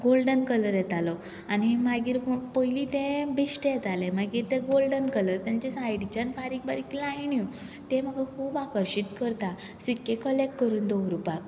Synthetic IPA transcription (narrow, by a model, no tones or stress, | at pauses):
ɡolɖənkələɾjɛt̪alɔ | aniɦemaɡiːɾpəiliːt̪ẽbisʈəjet̪alẽmaɡiːɾt̪eɡolɖənkələɾt̪jãɲt͡ɕesajɽit͡ɕanfaɾikbaɾikilaiɳju | t̪em̤əɡakʰuːbakəɾɕit̪kəɾt̪a | sikːekəlekkəɾuːnd̪owɾupak